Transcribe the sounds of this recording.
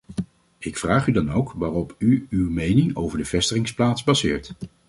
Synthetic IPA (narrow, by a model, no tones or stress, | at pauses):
ɪkfraːχydɑnowkʋaːrɔpyywmejnɪŋo̰wvəɹdəv̥ɛstəχɪŋsplaːtzbɑzɪ̰ːɹt